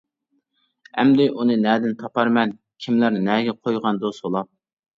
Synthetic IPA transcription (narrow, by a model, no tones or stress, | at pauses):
ɛmd̪ɪʔunɨnɛːd̪ɪnt̪ʰɑpɑɾmɛn | kʲʰimlæɾnɛːɡʲɛqʰojʁɑnd̪osbolˠɑp̚